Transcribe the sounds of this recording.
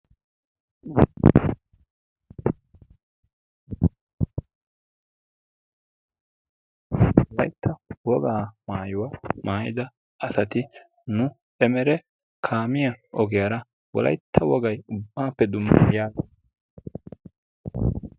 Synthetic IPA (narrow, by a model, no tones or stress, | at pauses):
wɔlɐjt̪ʰːɐwɔɡaːmaːjʊwɐmaːjɪ̰d̪ɐ | ɐsɐt̪ɪ | nʊ | ʔɛmɛɾɛ | kʰaːmɪjɐɔɡɪjɐɾɐ | wɔlɐ̰jt̪ʰːɐwɔɡɐjʊbːaːpːɛd̪ʊmːɪjaːɡe